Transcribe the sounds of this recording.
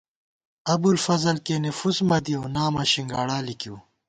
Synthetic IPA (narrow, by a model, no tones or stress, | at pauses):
ɐbulfɐzɐlkenefusmɐd̪iownaːmɐɕiŋɡaːɽaːlikuː